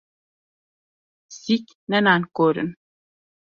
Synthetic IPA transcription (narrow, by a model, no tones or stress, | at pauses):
sik | nɛnankoɾṵn